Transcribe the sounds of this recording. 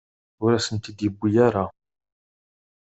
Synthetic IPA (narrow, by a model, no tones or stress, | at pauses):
ʊɾæsənt̪id̪jəbːijaɾa